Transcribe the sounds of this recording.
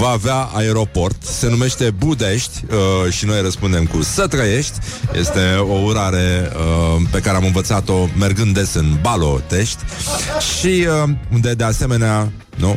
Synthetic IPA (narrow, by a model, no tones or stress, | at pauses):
vaːveaaeɾo̞po̞rt̪se̞nume̞ʃt̪e̞bud̪e̞ʃt̪ʲəʃino̞jrəspund̪e̞mkusət̪ɾəje̞ʃt̪ʲjʔe̞̰st̪e̞o̞uɾaɾe̞əpe̞kaɾeamɨnvət̪sat̪o̞me̞rɡɨnd̪esɨnbalo̞̰t̪e̞ʃt̪ʲʃiəund̪e̞d̪e̞ase̞me̞nea | nu